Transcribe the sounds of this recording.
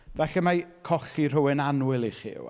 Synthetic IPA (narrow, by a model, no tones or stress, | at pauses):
vɛɬɛmakʰɔɬir̥ʊwɪnanwɪlˠiχḭw